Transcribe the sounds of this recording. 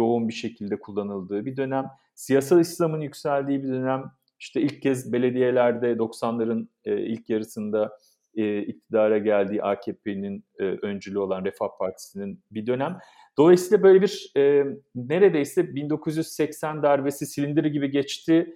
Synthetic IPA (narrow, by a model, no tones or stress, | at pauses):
jo̞unbiʃe̞cʰilʲd̪ɛkʰulˠːanɯlˠd̪ɯːbid̪ø̞næm | sijas̬alˠislˠamɯnjycsælʲd̪iːbid̪ø̞næm | iʃt̪ʰɛilʲc̚cʰɛzbe̞lʲe̞d̪ije̞lʲæɾd̪ɛd̪o̞ksanlˠaɾɯn̰ː | ḭlʲcʰjaɾɯsɯnd̪a | ɛːic̚t̪ʰid̪aːɾaɟælʲd̪iːʔaːcʰepʰeninːʔønd͡ʒylʲyo̞lˠanɾefahpʰaɾt̪ʰi̥sininbid̪ø̞næm | d̪o̞lˠajsiːlˠabø̞jlʲebiɾɛːne̞ɾe̞d̪ejsɛbind̪o̞kʰuzjyzsɛcsænd̪æɾve̞sisilʲind̪iɾiɟibiɟɛt͡ʃt̪ʰɪ